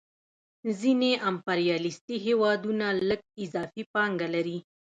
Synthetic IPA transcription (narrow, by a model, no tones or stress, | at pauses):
zineʔampaɾijɑlist̪iɦewɑd̪unaləɡ̚ɪzɑfipɑŋɡalaɾi